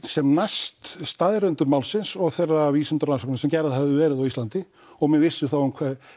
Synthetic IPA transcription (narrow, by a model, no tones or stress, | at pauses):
sɛmnajst̪st̪aðɾʏnt̪ʏmawlsɪnsɔɣθejrːaviːsɪnt̪ɾansɔknasɛmcɛɾðhɛvðɪvɛːɾɪðawist̪lant̪ɪ | ɔɣmɛnvɪsːʏθawʏmkʰvɛːð